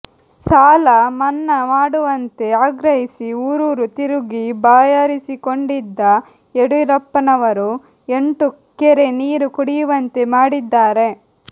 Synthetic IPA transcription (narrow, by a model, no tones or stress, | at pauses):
saːlɐmɐnːɐmaːɽuʋɐnt̪e̞aːɡɾɐɦisiuːɾuːɾut̪iɾuɡibaːjaɾisikoɳɖid̪ːɐ | eɽuiɾɐpːɐnɐʋɐɾu | e̞ɳʈu | keɾe̞niːɾukuɽijuʋɐnt̪e̞maːɽid̪ːaːɾe̞